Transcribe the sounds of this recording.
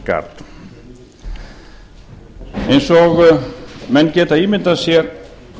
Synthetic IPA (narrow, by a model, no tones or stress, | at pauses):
ka̰ɾt̪ | ejnsɔɣ | mɛnːcɛːt̪aiːmɪnt̪asjɛɾ